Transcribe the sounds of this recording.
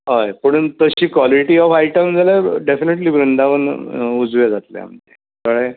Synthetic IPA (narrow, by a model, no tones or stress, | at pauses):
ɦajpəɳ̃unt̪əɕiːkʋɔliʈiːɔfajʈəmd͡zalaɖefineʈliːbɾənd̪ʱaʋənud͡zʋed͡zat̪lja̰a̰m̤ənt̪ːe | kəɭe